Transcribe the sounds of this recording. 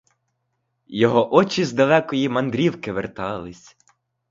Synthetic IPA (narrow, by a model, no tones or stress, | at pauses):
jɔɦɔʔɔt͡ʃizd̪ɐlˠɛkɔjimɐnd̪ɾʲiwkɪʋert̪ɑlˠɪsʲ